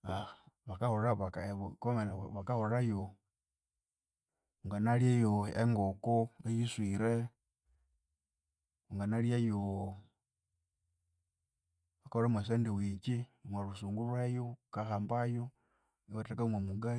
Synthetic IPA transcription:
aβakahoɾaβakkomelaβakahoɾajo | uŋɡanaljajoḛŋɡokoejiswiɾe | uŋɡanaljajo | βakahoɾemwas̬eːndiwit͡ʃimwaɾusuːŋɡulwejokaxaːmbajo | iβatakaumwamuɡa

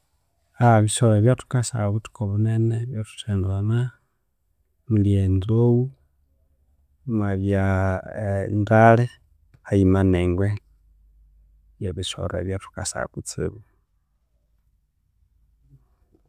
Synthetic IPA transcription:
aβiʃoɾeβjatu̥kasa̰βutu̥koβuneneβjatu̥tʰendana | muliend͡zowu | mwaβja | ndale | haimaneŋɡwe | jaβiʃo̰ɾḛβjatʰu̥kasa̰kut͡sḭβu

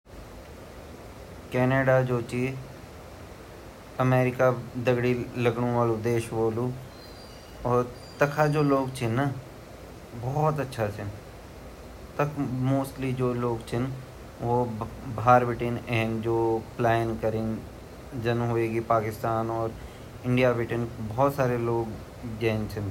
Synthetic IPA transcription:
kɛːneːɖad͡ʒoːt͡ʃiː | ɐmeːɾɪkad̪ɐɡɽilɐɡɽõʋaːlud̪eːʃʋoːlu | ɔːɾ | t̪ɐkʰad͡ʒoːloːɡt͡ʃʰɪnːa | bɔːt̪ɐtːʃʰat͡ʃʰɪn | t̪ɐkʰmoːsʈlid͡ʒoːloːɡt͡ʃʰɪn | ʋobʱaːɾbɪʈɪnɛːnd͡ʒoːplaːɪnkɐɾɪn | d͡ʒɐnɦʊeːɡipaːkɪst̪aːnɔːɾ | ɪ̃ɳɖijabɪʈɪnbɔːt̪saːɾeloːɡ | d͡ʒɛːnt͡ʃʰɪn

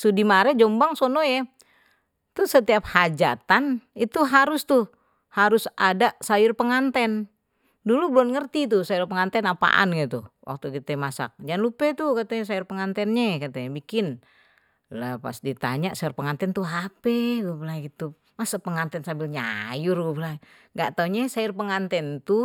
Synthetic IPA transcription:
sudimaɾɛd͡ʒombaŋsonojɛ | t̪usət̪iap̚had͡ʒa̰t̪anit̪uɦaɾʊst̪u | haɾʊsadaʔsajʊrpəŋant̪ɛn | dulublɔnŋərt̪it̪usajʊrpəŋant̪ɛnapa̰ʔa̰nɡɛt̪uwʔa̰k̚t̪ukit̪ɛmasa̰k̚d͡ʒanlupɛt̪ukat̪ɛs̬ajʊrpəŋant̪ɛnɲakat̪ɛbikɪn | lapa̰sdit̪a̰ɲaʔsajʊrpəŋant̪ɛnt̪uɦapɛɡubəlaɡit̪u | masapəŋant̪ɛnsambɪlɲa̰jʊrɡubla | ŋɡaʔt̪auɲasajʊrpəŋant̪ɛnt̪u

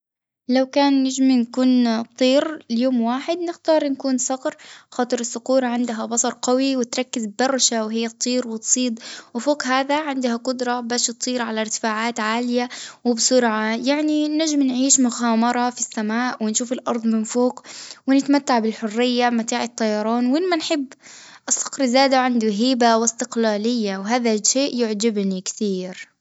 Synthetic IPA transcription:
lawkaːnːaʒminkuːnt̪ˤːiːɾljoːmwaːħɪd̪nɪxt̪ɑːɾˤnkuːnsˤɑqɾxɑːt̪ˤɨɾɪsːʊquːɾˤɑʕɪnd̪ɦabɑsˤɑɾˤqawiwɪt̪ɾˤɑkːɪzb̚d̪ɑrˤːʃawɦɪjːat̪ˤːiːɾwɪt̪sˤiːd̪ˤwɪfoːqɦaːðaʕɪnd̪haqʊd̪ɾˤɑbaːʃɨt̪ˤːiːɾʕalaɾt̪ɪ̥faːʕaːt̪ʕaːlɪjawɪbsʊɾʕajaʕninaʒɪmnʕiːʃmʊxaːmɑɾˤɑfisːamaːʔwɪnʃuːfɪlʔɑ̰ɾˤðˤmɪnfoːkwɪnɪt̪mat̪ːaʕbɪlħʊrːɪjːamat̪aːʕɪt̪ˤːɑjɑɾˤɑːnwʔɪlmanħɪbːʔɑsˤːɑ̥qɾzaːd̪aʕand̪uɦiːbawɪst̪ɪqlaːlɪjːawɦaːðaʃeːʔjʊʕd͡ʒɪbnikt̪iːɾ

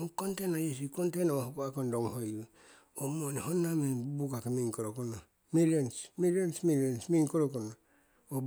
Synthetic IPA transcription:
uŋkontenajes̬ikontenawahukoakondoŋhoju | omonihonːamebubukakimiŋkoɾokona | milonsmilonsmilonsmiŋkoɾokona | o

